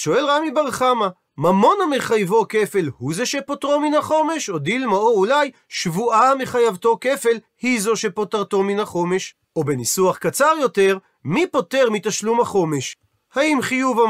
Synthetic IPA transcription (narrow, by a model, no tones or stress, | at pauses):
ʃo̞e̞lʁamibaʁχama | mamo̞nhameχajvo̞ke̞fe̞lhuzeʃe̞potʁominhaχo̞me̞ʃo̞d̪ilmao̞ulaj | ʃvuame̞χajavto̞ke̞fe̞l | hizo̞ʃepo̞taʁt̪o̞minaχo̞me̞ʃ | obenisuaχkat͡saʁjo̞te̞ʁ | mipo̞te̞ʁmit̪aʃlumhaχo̞me̞ʃ | haimχijuva